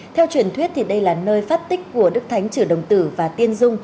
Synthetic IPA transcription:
t̪ʰɛ˧wt͡ɕwi˧˩ənt̪ʰwi˦˥ət̚t̪ʰi˨˩ɗə˧jlaː˨˩nəː˧jfaː˦˥t̚t̪ï˦˥k̟̚ku˧˩əɗɨ˦˥k̚t̪ʰa˨˦jŋ̟t͡ɕɨ˧˩ɗə˨˩wŋ͡mt̪ɨ̰˧˩vaː˨˩t̪i˧ənzʊ˧ŋ͡m

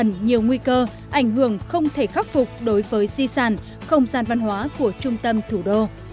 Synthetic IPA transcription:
ə˧˩nɲi˨˩əwŋwi˧kəː˧ | ʔa˧˩jŋ̟ɦɨ˧˩˨əŋxə˧wŋ͡mt̪ʰe˧˩xa˦˥k̚fʊ˨˩k͡p̚ɗo˨˦jvəː˨˦jsi˧saː˧˩n | xə˧wŋ͡mzaː˧˩nva˧nhwaː˨˦ku˧˩ət͡ɕʊ˧ŋ͡mt̪ə˧mt̪ʰu˧˩ɗo˧

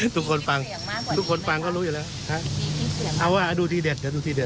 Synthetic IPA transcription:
t̪ʰu˦˥kʰo˧nfa˧ŋ | t̪ʰu˦˧˥kʰo˧nfa˧ŋkɔ˥˩˨luː˧˦i˧˨lɛ˧˥ | hã˦˥ʔʔa˧˩waː˧˩ʔa˧duː˧˩t̪ʰiː˧˩de˧˩t̪̚ːduː˧t̪ʰiː˧de˨˩

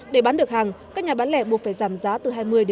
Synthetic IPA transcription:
ɗe˧˩ɓaː˨˦nɗɨ˨˩ək̚haː˨˩ŋkaː˦˥k̚ɲaː˨˩ɓaː˨˦nlɛ˧˩ɓu˨˩faː˧˩jzaː˧˩mzaː˨˦t̪ɨ˨˩ɦaː˧jmɨ˧əjɗ

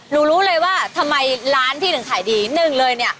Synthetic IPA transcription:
ɾuː˧ɾuː˦˥lɤː˧jwaː˥˩t̪ʰa˧mːa˧jɾaː˦˥nt̪ʰiː˥˩nɯ˩˦ŋkʰaː˨˩˦jdiː˧˦˩nɯ˥˩ŋlɤː˧jni˥˩ɐ

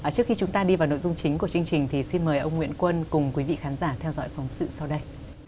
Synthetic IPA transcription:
t͡ɕɨ˦˥əkxi˧t͡ɕʊ˨˦ŋ͡mt̪aː˧ɗi˧vaː˨˩wno̰˧˨jzʊ˧ŋ͡mt͡ɕï˨˦ŋ̟ku˧˩ət͡ɕɨ˧əŋt͡ɕï˨˩ŋ̟t̪ʰi˨˩si˧nməː˨˩jʔə˧wŋ͡mŋwḭ˧˨ənkwə˧nkʊ˨˩ŋ͡mkwi˨˦vḭ˧˨xaː˨˦nzaː˧˩t̪ʰɛ˧wzɔ̰˧˥jfɔ˨˦wŋ͡msɨ̰˧˨sa˧wɗə˧j

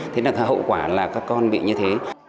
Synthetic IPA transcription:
t̪ʰe˨˦naː˨˩˨hɦə̰˧˨wkwaː˧˩laː˨˩kaː˦˥kːɔ˧nɓḭ˧˨ɲɨ˧t̪ʰe˨˦

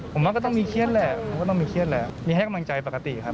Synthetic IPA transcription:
o˩˦maː˧kɔ˥˩t̪ɔ˥˩ŋmiː˧kʰi˥˩ət̚lɛ˧˩o˨˩˦kɔː˥˩ɔ˥˩ŋmiː˧kʰi˥˩ət̪̚lɛː˧˩miː˧ɦa˥˩jka˧mla˧ŋt͡ɕa˧jpa˧ka˧t̪ḭ˨˩kʰa˦˥

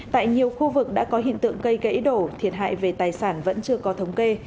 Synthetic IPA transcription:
t̪a̰ː˧˨jɲi˨˩əwxu˧vɨ˨˩k̚ɗa̰ː˧˥kɔ˨˦ɦḭ˧˨nt̪ɨ̰˧˨əŋkə˧jɣə̰˧˥jɗo˧˩t̪ʰi˨˩ən̚ɦa̰ː˧˨jve˨˩t̪aː˨˩jsaː˧˩nvə̰˧˥nt͡ɕɨ˧əkɔ˨˦t̪ʰə˨˦wŋ͡mke˧

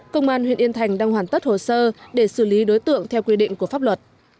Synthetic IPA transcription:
kə˧wŋ͡mʔaː˧nhwḭ˧˨ənʔi˧ənt̪ʰa˨˩jŋ̟ɗaː˧ŋɦwaː˧˩nt̪ə˦˥t̚ho˨˩səː˧ɗe˧˩sɨ˧˩li˨˦ɗo˨˦jt̪ɨ̰˧˨əŋt̪ʰɛ˧wkwi˧ɗḭ̈˧˨ŋ̟ku˧˩əfaː˦˥p̚lwə˨˩t̚

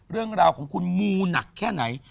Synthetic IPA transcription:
ɾɯ˥˩əŋɾaː˧wkʰɔː˩˦ŋkʰu˧nmuː˧na˨˩kʰːɛː˥˩na˩˦j

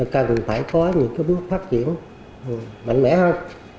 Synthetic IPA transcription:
kə˨˩nfaː˧˩jkɔ˨˦ɲɨ̰˧˥ŋkaː˨˦jɓɨ˦˥ək̚faː˦˥t̚t͡ɕḭ˧˩˨ən | ʔma̰˧˨jŋ̟mɛ̰˧˥hə˧j

